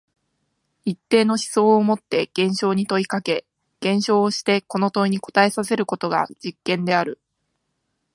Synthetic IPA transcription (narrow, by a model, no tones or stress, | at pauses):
it̪ːe̞ːno̞ɕi̥so̞ːmo̞t̪ːe̞ɡ̥ẽ̞ɰ̃ɕo̞ːɲ̟it̪o̞ikake̞ | ɡ̥ẽ̞ɰ̃ɕo̞ːɕi̥t̪e̞ko̞no̞t̪o̞iɲ̟iko̞̥t̪ae̞sase̞ɾɯ̟ko̞t̪o̞ɡa̰d͡ʑikːẽ̞nd̪e̞aɾɯ̟